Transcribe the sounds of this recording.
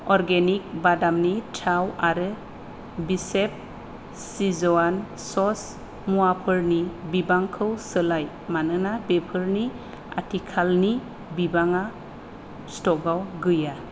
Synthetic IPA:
ɔɾɡenik̚badamnitʰawaɾɯ | bisep̚ | sizɔan | sɔs | muapʰɯɾnibibaŋkʰɯwsəlaj | manɯnabepʰɯɾni | a̰tʰikʰalni | bibaŋa | stɔɡawɡɯja

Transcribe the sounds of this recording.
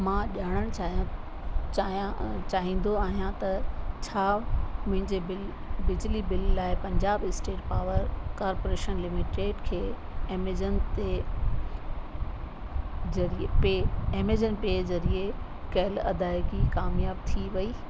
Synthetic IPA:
mãʄaːɽ̃əɽ̃t͡ɕaːɦ | t͡ɕaːɦĩːn̆d̪oaːɦijãt̪ɐt͡ɕʰaːmʊ̃ɦɪ̃ɲd͡ʑeɪ | bɪd͡ʑlibɪlːaːɪpɐ̃ɲd͡ʑaːbɪsʈeːʈpaːʋəɾkaːɾpoːɾeːʃənlɪmɪʈeːʈkʰeː | md͡ʑənt̪e | ɐɾipeemed͡ʑənɪ̆pezɐɾie | kɐɦɪlɐd̪aːɪkikaːmjaːb̚t̪ʰiʋɐiː

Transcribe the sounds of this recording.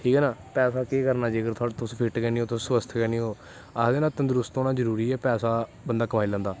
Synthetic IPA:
ʈʰiːkɛːnaːpɛːsaːkeːkəɾnaːd͡ʒiːəɡəɾt̪ʰʊaːɽt̪ʊspʰɪʈkɛːniːoːt̪ʊsːsʋəsət̪ʰkɛːniːɦoː | ad̪eːnaːt̪ənd̪əɾʊst̪oːnaːzəɾuːɾiːɛːpɛːsaː | bənd̪aːkəmaːiːlɛ̃ːnd̪aː

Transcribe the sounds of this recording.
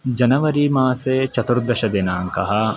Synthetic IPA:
d͡ʒɐnɐʋɐɾimaːseːt͡ʃɐt̪uɾd̪ɐʃɐd̪enaːŋkɐɦɐ

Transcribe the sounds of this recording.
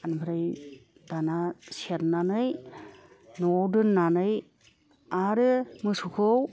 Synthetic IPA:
anbʰɯɾaj | danasieɾnanɯj | nɔdɯnːanɯj | aɾɯmɯsukʰɔw

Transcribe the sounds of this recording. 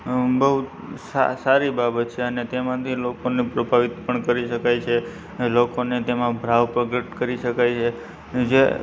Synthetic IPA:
bəɦut̪sa̰saɾibabət̪̚t͡ʃʰeənet̪emãt̪ʰilokonipɾəbʱaʋit̪pəɳkəɾiʃəkajt͡ʃʰe | lokonet̪emãbʱɾaʋpəɡəʈkəɾiʃəkajt͡ʃʰe | d͡ʒe

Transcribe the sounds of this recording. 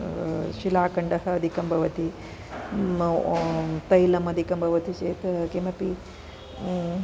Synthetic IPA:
ʃilaːkɐɳɖɐɦɐɐd̪ʱikɐmbʱɐʋɐt̪i | t̪ɐjlɐmɐd̪ʱikɐmbʱɐʋɐt̪it͡ʃeːt̪kemɐpi

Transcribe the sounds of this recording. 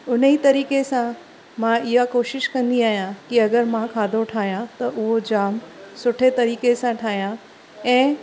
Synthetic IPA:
ʊn̤əit̪ɐɾiːkesã | mãɪɦakoːʃɪʃkɐ̃nd̪iaːɦijãkiɐɡəɾmãkʰaːd̪ʱoʈʰaːɦijãt̪ɐʔʊɦod͡ʑaːmsʊʈʰet̪ɐɾiːkesãʈʰaːɦijã | ɛ̃ː

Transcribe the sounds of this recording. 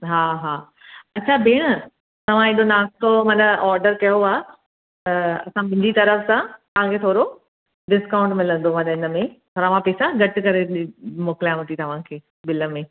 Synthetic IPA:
ɦaːɦaː | ɐtːt͡ɕʰabeːɽ̃ə | t̪ɐʋ̤ãeːɗonaːst̪omɐ̃nɗəʔɔːɾɖəɾkɐjoaː | ɐ̰sãbɪ̃ɲd͡ʑit̪ɐɾəfsãt̪ɐɦãkʰeːt̪ʰoːɾo | ɖɪskaːʊ̃ɳʈmɪlə̃nd̪omãɗəɪnəmẽt̪ʰoːɾaʋãpeːsaɡʱɐʈkɐɾeɗmoːkɪljãɦʊt̪it̪ɐʋ̤ãkʰeː | bɪləmẽ

